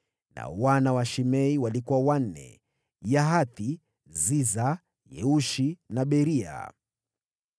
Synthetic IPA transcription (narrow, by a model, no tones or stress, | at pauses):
na̰wanawaʃimɛiwalikuwawan̩nɛ̰ | jaɦaθi | ziza | jɛ̰uʃinaɓɛɾia̰